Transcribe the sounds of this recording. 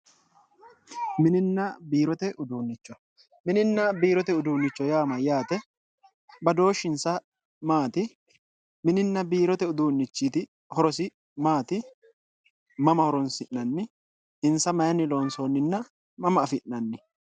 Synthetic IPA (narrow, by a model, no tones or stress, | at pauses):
mɪnɪnːɐbiːɾɔt̪ɛʔʊd̪uːnːɪt͡ʃːɔ | mɪnɪnːɐbiːɾɔt̪ɛʊd̪uːnːɪt͡ʃːɔjaːmɐjaːt̪ɛ | bɐd̪o̞ːʃːɪnsɐ | maːt̪ɪ | mɪnɪnːɐbiːɾɔt̪ɛʊd̪uːnːɪt͡ʃːiːt̪ɪ | hɔɾɔsɪ | maːt̪ɪ | mɐmɐhɔɾɔnsɪʔnɐnːɪ | ɪnsɐmɐjɐnɪlo̞ːnsoːnːɪnːɐ | mɐmɐːfɪʔnɐnːɪ